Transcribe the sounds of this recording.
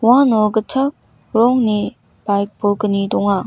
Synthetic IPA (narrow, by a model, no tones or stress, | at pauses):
wãnɔɡət͡ʃʰak̚ | ɾɔŋni | b̥ajk̚bolkənidɔŋa